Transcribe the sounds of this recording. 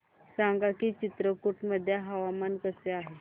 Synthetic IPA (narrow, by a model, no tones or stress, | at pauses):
saŋɡakiːt͡ɕit̪ɾəkuʈməd̪ʱːjaɦaʋamankəseaɦe